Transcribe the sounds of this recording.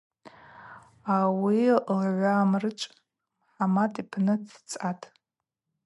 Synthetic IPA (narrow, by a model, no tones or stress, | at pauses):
awilʕʷaːmrɨt͡ʃʷʼ | ħamatʰʼipʰnɨdʰt͡sʼatʼ